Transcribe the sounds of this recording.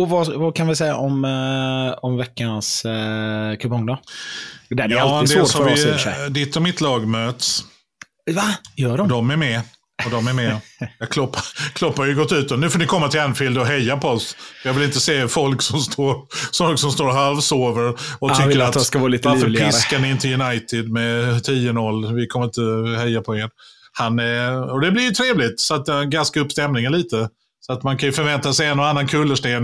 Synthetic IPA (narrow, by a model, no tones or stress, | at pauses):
ɔvavɑkʰanvɪsɛjaʔɔm | ɔmvɛkːans | kʰɵpɔŋd̪ɑ | d̪ɛdɛalːɪd̪ɛoːhɾvɪɛ̰d̪ɪt̪ːɔmɪt̪ʰlɑːɡmøːt̪s | vajœːɖɔd̪ɔmæɾmɛ | ɔd̪ɔmæɾmɛjɑkʰlɔpːakʰlɔpːaɾjəɡɔt̪ːʉ̟ːt̪ːɔnʉ̟foːnɪkʰɔmːat̪ʰɪlɛnfɪld̪ɔɦɛjːapɔɔsfjɑːvɪlɪnt̪əseːfɔlksɔmst̪ʰoːɾsɔlksɔmst̪oːɾɔɦalvsoːvəɾɔʏkːəɾɾatvɑːlit̪vaɾfəɾpʰɪskanɪɪnt̪ʰəljɵnajt̪ɪd̪mɛt̪ʰiːənɔlːvɪkʰɔməɾɪnt̪əhɛjːapʰɔɛn | hanɔd̪ɛblɪɾjʏt̪ʰɾeːvlɪt̪sɔat̪̚d̪ɛnɡanskaɵpːst̪ɛmnɪŋənliːt̪ə | sɔat̪mankʰajʏfœɾvɛnt̪asɛjɛnːɔanːankʰɵlːəʂʈeːn